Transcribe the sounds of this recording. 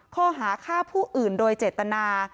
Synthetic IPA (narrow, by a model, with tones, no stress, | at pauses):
kʰɔː˥˩ɦaː˩˦kʰaː˥˩wpʰuː˥˩ʔɯː˨˩ndoː˧jt͡ɕeː˨˩t̪ːa˧naː˧